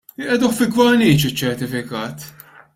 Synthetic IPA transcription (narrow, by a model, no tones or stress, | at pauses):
ʔɛd̪ɔxfɪɡvɐniːt͡ʃɪt͡ʃːɛɾt̪ɪfɪkɐːt̪